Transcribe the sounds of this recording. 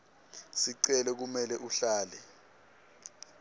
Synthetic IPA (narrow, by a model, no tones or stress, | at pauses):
siǀɛlɛk̬umɛlɛʔuɬaːlɛ